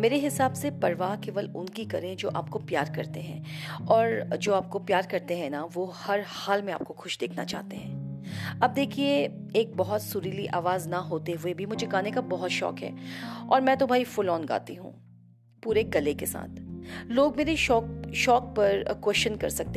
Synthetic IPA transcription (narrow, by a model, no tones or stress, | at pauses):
meːɾeɦɪsaːbsepɐɾʋaːkeːʋəlʊnkikɐɾẽd͡ʒo̰ːʔa̰ːp̚kopjaːɾkɐɾt̪eɦɛ̰̃ːɔːɾd͡ʒoːaːp̚kopjaːɾkɐɾt̪eɦɛ̃naʋohɐɾhaːlmẽa̰ːp̚koxʊʃd̪eːkʰna̰t͡ʃa̰ːɦt̪eɦɛ̃ːɐb̚d̪eːkʰie | eːk̚bɐɦɔt̪sʊɾiliʔaːʋaːznaɦoːt̪eɦʊebʱimʊd͡ʒʱeɡaːnekabɐɦʊt̪ʃɔ̰ːkɦɛ̰ːɔːɾmɛ̃ːt̪obʱaːifʊlɔːnɡa̰ːt̪iɦṵ̃ː | puːɾeɡɐlekesa̰ːt̪ʰloːɡmeːɾeʃɔːkʃɔːk̚pɐɾkwɛst͡ʃənkɐɾsɐk̚t̪e